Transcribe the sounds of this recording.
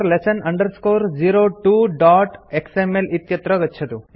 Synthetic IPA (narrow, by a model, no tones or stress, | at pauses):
ɾlesɐnɐɳɖɐɾskoːɾd͡ʒiːɾoːʈuːɖaːʈeksemelit̪jɐt̪ɾɐɡɐtːt͡ʃʰɐt̪u